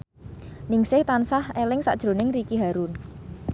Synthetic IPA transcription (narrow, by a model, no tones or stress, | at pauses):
nɪŋsɪht̪ansahelɪŋsa̰ʔd̥ʒ̥ɾo̤nɪŋrikiɦaɾun